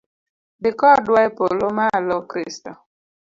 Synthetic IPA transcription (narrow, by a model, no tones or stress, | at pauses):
bɪkɔdwaipolomalɔkɾistɔ